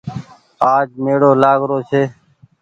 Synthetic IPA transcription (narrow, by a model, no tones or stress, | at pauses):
aːd͡ʒmeːɽoːlaːɡɾoːsʰeː